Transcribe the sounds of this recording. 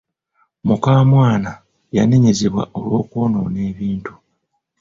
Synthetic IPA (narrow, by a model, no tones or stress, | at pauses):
mukaːmwaːna | jane̞ɲe̞zeβwa̰ʔo̞lwo̞ːkwoːnone̞ːβiːntu̥